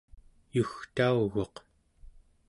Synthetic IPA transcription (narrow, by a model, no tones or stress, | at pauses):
juxt̪auɣo̞q